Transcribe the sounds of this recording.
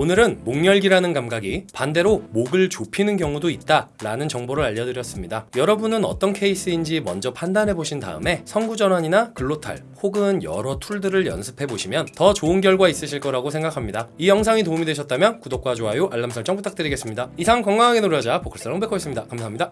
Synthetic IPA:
onɯɾɯnmoŋːjʌɭɡiɾanɯnkamɡaɡipande̞ɾomoɡɯɭt͡ɕopʰinɯnkjʌŋudoit̚t͈aɾanɯnt͡ɕʌŋboɾɯɭaʎːʌdɯɾjʌs͈ɯmɲidajʌɾʌbunɯnʌt͈ʌnkʰe̞is͈ɯind͡ʑimʌnd͡ʑʌpʰandanɦe̞boɕʰinda̰ɯ̰me̞sʰʌnɡud͡ʑʌnɦaɲinakɯɭːotʰa̰ɭ | hoɡɯnjʌ̰ɾʌtʰuɭdɯɾɯɭjʌ̰nsʰɯ̥pʰe̞boɕʰimjʌntʌt͡ɕoɯnɡjʌɭɡwais͈ɯɕʰiɭk͈ʌɾaɡosʰe̞ŋɡakʰamɲidaijʌŋsʰaŋitoumidweɕʰʌt̚t͈amjʌnkudok͈̚wad͡ʑoɦajuʔaɭːamsʰʌɭt͡ɕ͈ʌŋput͈ʰak̚t͈ɯɾiɡe̞s͈ɯmɲidaisʰaŋkʌŋɡaŋɦaɡe̞noɾjʌd͡ʑapokʰɯɭs͈ʰʌʌŋmbekʰoes͈ɯmɲidakamsʰaɦaɲida

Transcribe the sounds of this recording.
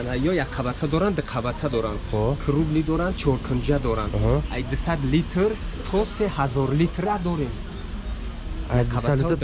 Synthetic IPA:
najɔjaqʰavat̪ʰad̪ɔɾand̪ɨqʰavat̪ʰad̪ɔɾand̪kʰɨɾublid̪ɔɾan̚t͡ʃʰɔɾkʰənd͡ʒad̪ɔɾanajd̪ɨsad̪lit̪ʰɾt̪ʰɔsehazɔɾlit̪ʰɾad̪ɔɾem | d̪ʰava

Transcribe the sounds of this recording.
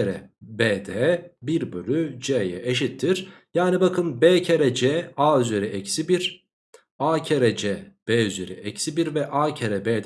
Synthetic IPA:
eɾɛ̰beːd̪ɛbiɾbylyd͡ʒeːjɛ̰ʔeʃit̪ʰːiɾ̥jaːnibakʰɯnbeːcʰeɾɛd͡ʒɛaːyzeɾiɛcsibiɾ̥ | aːcʰeɾɛd͡ʒɛːb̥eːyzeɾḭʔɛcsibiɾvɛʔaːcʰeɾɛbeːd̪

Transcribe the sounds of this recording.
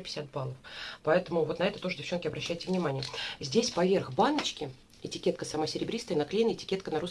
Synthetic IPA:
pʲɪ̥sʲat̪̚balˠəfpɐɛt̪əmʊvo̞t̪nɐɛt̪ət̪o̞ʐədʲɪft͡ɕonkʲɪɐbɾɐɕːæjɪtʲɪvnʲɪmanʲɪjəzʲdʲesʲpɐvʲe̞rɣbanət͡ɕkʲɪ | ɪtʲɪkʲe̞t̪̚kəsɐmasʲɪɾʲɪbɾʲist̪əjnɐklʲenɪtʲɪ̥kʲet̪kənɐɾus

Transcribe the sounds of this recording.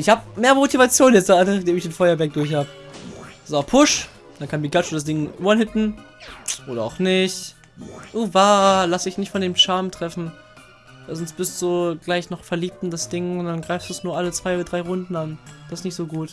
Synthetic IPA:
ʔɪçhaːbəmeːɐmotivat͡sjoːnjɛt͡sd̥aanaχd̥eːmɪçd̥eːnfɔʏɐvɛɐk̚d̥ʊɐçhaːbə | zapʰʊʃ | d̥ankʰanbiɡlat͡ʃəd̥asd̥ɪŋːanhɪtn̩ | ʔoːɾɐa̰ʊxnɪçt | ʔuːvaːlasdɪçnɪçtfɔndeːmʃaɐmtʁ̥ɛfn̩ | v̥aɪzɔnsb̥ɪstz̥oːɡlaɪçnɔχfɛɐliːp̚tnd̥asd̥ɪŋʊnd̥anɡʁaɪfstd̥uːsnuːɐʔalət͡sv̥aɪodɐdʁaɪʁʊndn̩and̥asɪsnɪçtz̥oːɡuːt

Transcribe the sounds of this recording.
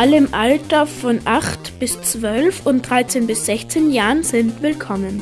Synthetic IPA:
ʔaləɪmʔaltɐfɔnʔaχtb̥ɪst͡sv̥œlfʊnt̚d̥ʁaɪt͡seːnbɪsz̥ɛçt͡seːnjaːʁənzɪntv̥ɪlkʰɔmən

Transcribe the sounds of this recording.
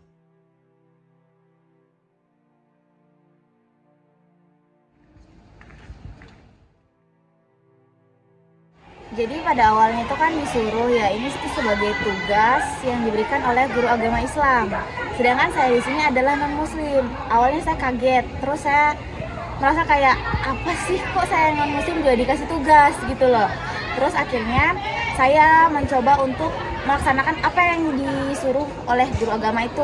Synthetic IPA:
d͡ʒadipadaːwalɲait̪ukandisuɾʊhjainisi̥t̪usəbaɡajt̪uɡasjaŋdibəɾikanolɛhɡuɾuaɡamaislam | sədaŋkansajadisiɲaːdalahŋɔnmuslɪm | ʔawalɲasajakaɡɛt̪ːəɾʊsːaja | məɾasakajaʔapasɪhkɔʔsajaŋɔnmuslɪmd͡ʒuadikas̬ɪiht̪uɡasɡit̪ulɔh | t̪əɾʊsakirɲa | sajaməɲt͡ʃobaunt̪ʊk̚ | məlaksanakanapajaŋdisuɾʊh | olɛhɡuɾuaɡamait̪u

